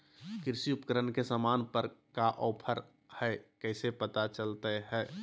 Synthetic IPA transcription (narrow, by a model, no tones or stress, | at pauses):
kɪɾsiupəkəɾənkesamaːnpəɾkaʔɔːpʰəɾ | hɛkɛɪsepət̪at͡ʃəlt̪eɦɛː